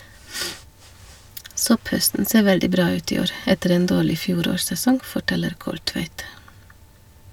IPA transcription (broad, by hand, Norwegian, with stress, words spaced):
ˈsɔpˌhœstn̩ ˈseː ˈʋɛldɪ ˈbɾɑː ˈʉːt ˈiː ˈoːɾ ˈɛtəɾ ˈeːn ˈdoːɭɪ ˈfjuːˌɾoːɾsɛˌsɔŋ fɔˈʈɛləɾ ˈkɔlˌtʋæɪt